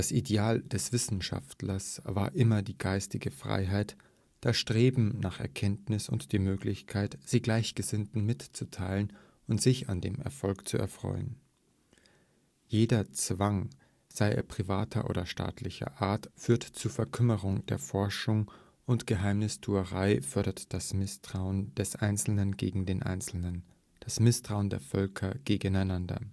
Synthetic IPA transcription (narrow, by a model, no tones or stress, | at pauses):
d̥asʔideaːld̥ɛsv̥ɪsn̩ʃa̰ftlɐsv̥a̰ːɐʔɪmɐdiːɡaɪstɪɡəfʁ̥a̰ɪɦaɪt | d̥aːsʃtʁ̥eːbm̩naːχɛ̰ɐkʰɛntnɪsʊ̰ntd̥iːmøːklɪçkʰaɪtz̥iːɡlaɪçɡ̥əzɪntn̩mɪtt͡sutʰaɪlən | ʊntz̥ɪçandeːmɛ̰ɐfɔlkt͡suʔɛ̰ɐfʁ̥ɔ̰ʏən | jeːdɐt͡sv̥aŋ | z̥aɪʔḛːɐpʁ̥iva̰ːtʰɐ̰ʔo̰ːdɐʃta̰ːtʰlɪçɐ̰ʔaːɐtfyːɐtt͡suːfɛɐkʰʏməʁʊŋd̥eːɐfɔɐʃʊŋ | ʔʊntɡ̥əɦaɪmnɪstʰuːəʁaɪfœɐɾɐtd̥asɪsʁʊənd̥ɛsʔaɪnt͡sl̩nənɡḛːɡŋ̩deːnʔa̰lən | d̥asmɪstʁ̥aʊəndeːɐfœlkʰɐɡ̥eːɡənaɪnandɐ̰